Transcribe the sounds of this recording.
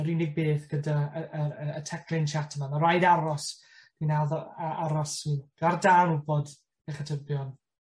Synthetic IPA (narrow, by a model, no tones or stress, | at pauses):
əɾinɪɡ̚beːθɡ̥ədaəəəətʰɛkʰrɪnt͡ʃʰatʰəmamaɾajdaɾɔs | d̥inaðaaɾɔsiɡ̥ardanʊbɔd | ɛχatʰəbjɔn